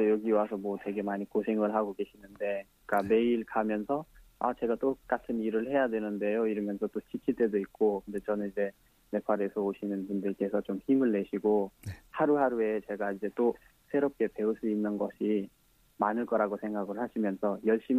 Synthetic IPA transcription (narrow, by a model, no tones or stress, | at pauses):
ejʌɡiwasʰʌmwʌtwe̞ɡe̞maɲikosʰe̞ŋɯɭɦaɡoɡe̞ɕʰinɯnde̞kɯik͈ame̞iɭkamjʌnsʰʌa̰t͡ɕe̞ɡat͈ok͈atʰɯniɾɯɭhe̞jadwe̞nɯnde̞joiɾʌmjʌnsʰʌt͈ot͡ɕʰikʰiɭt͈we̞doit̚k͈okʰɯnde̞t͡ɕʌnɯnid͡ʑe̞ | me̞pʰaɾe̞sʰʌoɕʰinɯnpundɯɭk͈e̞sʰʌt͡ɕomçimɯɭːe̞ɕʰiɡohaɾuɦaɾue̞t͡ɕe̞ɡaid͡ʑe̞t͈o | sʰe̞ɾʌp̚k͈e̞pe̞uɭs͈uinːɯnɡʌɕʰi | manɯɭk͈ʌɾaɡosʰe̞ŋɡaɡɯɭhaɕʰimjʌnsʰʌjʌɭɕ͈im